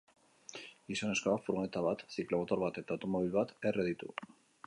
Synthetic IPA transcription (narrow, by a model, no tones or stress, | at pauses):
isane̞sko̞afuɾɣoet̪aβat̪siklo̞mot̪o̞ɾβat̪e̞t̪aːwt̪o̞mo̞β̞ilβat̪e̞reð̞it̪ṵ